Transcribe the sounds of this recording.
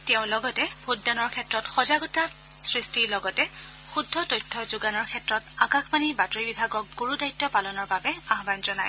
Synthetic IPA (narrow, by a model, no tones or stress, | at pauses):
tɛʊ̃lɔɡɔtɛbʱudːanɔɹkʰɛtɹɔtxɔzaɡɔta | sɹistilɔɡɔtɛ | xudʱːɔtojtʰːɔzuɡanɔɹkʰɛtɹɔtakaxmanibatɔɹibibʱaɡɔk̚ɡoɹudajtːɔpalɔnɔɹbabɛaɦbanzɔnaj